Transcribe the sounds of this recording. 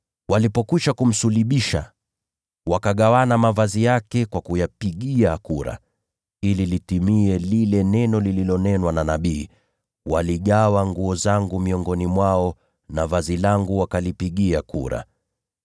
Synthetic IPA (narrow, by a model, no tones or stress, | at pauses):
walipɔkuʃakum̩suliɓiʃa̰ | wakaɠawanamavazijakɛkwakujapiɠiakuɾa̰ | ililitimiɛlilɛnɛnɔlililɔnɛnwananaɓiː | waliɠawaŋɡuɔzaŋɡumiɔŋɡɔnimwaɔ | navazilaŋɡuwakalipiɠiakuɾa̰